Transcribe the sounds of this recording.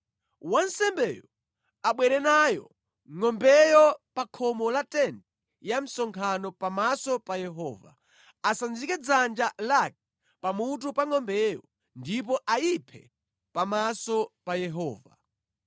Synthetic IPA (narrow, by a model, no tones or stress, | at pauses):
wansɛmbɛːjɔ | aɓwɛɾɛnajɔ̰ | ŋɔmbɛjɔpakʰɔmɔlatɛndɛ | jam̩sɔŋkʰanɔpamasɔpajɛɦɔːva̰ | asand͡zikɛd͡zand͡ʒalak̚ | pamut̬upaŋɔmbɛjɔ | ndip̬ɔʔaipʰɛ̰ | pamasɔpajɛɦɔːva̰